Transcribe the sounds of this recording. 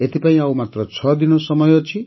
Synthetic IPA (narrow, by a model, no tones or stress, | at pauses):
et̪ʰipaĩawmat̪ɾɔt͡ʃʰɔd̪inɔsɔmɔjɔt͡ʃʰi